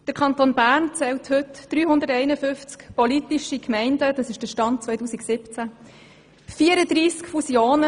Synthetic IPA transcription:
d̥əɾkʰɑnt̪onbæːɾnt͡sɛlthʏtd̥ɾyːhʊndəɾtɛɪnəfʏnft͡skpɔlitiʃikmɛɪndəd̥ɑsɪʃd̥əʃtɑnt̚t͡sʋœjtuːsiksɪpt͡sæ | fiəɾədɾiːskfusjoːnə

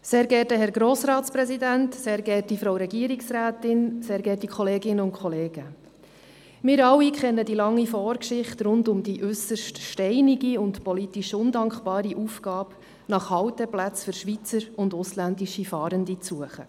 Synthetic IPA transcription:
seːɾɡɛtəɦɛɾɡɾɔːsɾɑːtspɾɛsidæntseːɾɡɛt̚ifɾowɾɛɡiəɾiksɾæːtɪnseːɾɡɛːtikʰχɔleːɡɪnəʊnkχɔleːɡ̥ə | mɪːɾɑwikχɛnːədilɑŋːifɔːɾkʃɪχtɾʊndʊmdiʔʉsəɾʃtʃtɛɪniɡiʊntpɔlitiʃʊndɑŋkχb̥ɑːɾiʔufɡɑːp | nɑχhɑwtəplæt͡sfʏɾʃʋit͡səɾʊndʊslændiʃifɑːɾəndit͡suəχə̰

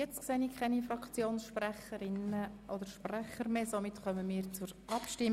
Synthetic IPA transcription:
jɛt͡stkseːnikʰχɛnifrɑkt͡sjoːnsʃpræχəɾɪnəʔɔd̪əɾʃprɛχəɾmeːsomɪtχœməmiːɾt͡sʊɾɑpʃtɪ

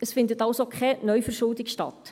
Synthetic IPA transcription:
əsfɪndətɑlsokʰχɛnœʏjfəɾʃʊldɪkʃtɑ̰t

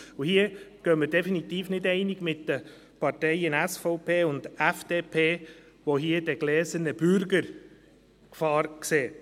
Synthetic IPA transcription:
uhiəɡ̥œməɾdɛfinit̪iːfnɪdɛɪnɪɡ̥mɪtd̥ə | pɑɾtɛɪənɛsfɔʊpʰeːʊnd̥ɛfd̥eːpʰeː | ʋoɦiːədɛɡ̥lɛːzənəb̥ʏɾɡəɾ | kfɑːɾkseː

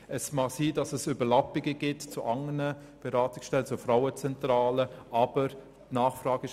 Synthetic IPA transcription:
əsmɑχsiːdɑsəsybəɾlɑpɪɡəɡ̥ɪtt͡suʔɑŋənə | b̥ɛɾɑːtɪksʃtɛlət͡sufɾaʊət͡sɛntɾɑːləʔɑb̥əɾ | tnɑːχfrɑːɡɪ

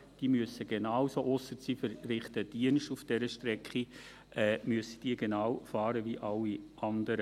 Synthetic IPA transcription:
d̥iːmyəsəɡenɑːwsoʔɔsət͡sifəɾrɪχt̪əd̥iənʃtufd̥ɛɾəʃtɾɛkχi | ʔɛːmyəsə̥d̥iːɡenɑːwfɑːɾəʋiʔɑlːiʔɑndəɾə

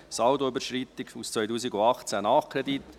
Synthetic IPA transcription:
sɑwd̪oʏbəɾʃɾit̪ːɪkust͡sʋœʏjduːsiɡuɑχt͡sænɑχkʰɾed̪it̪ː

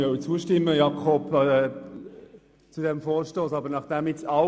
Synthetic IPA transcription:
œʊt͡suːʃtɪmːəjɑkʰɔb | t͡sudɛmfoːɾʃtoːsɑbənɑχd̥ɛmɪt͡sɑ

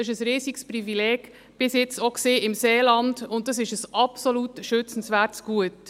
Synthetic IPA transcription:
ɪʃəsɾiːsɪksprivilɛːɡ̥ | b̥ɪsjɪt͡stokseːʔɪmseːlɑndʊnt̚dɑs̬ɪʃəsʔɑpsolutʃʏt͡sn̩svæɾtsɡ̥uət

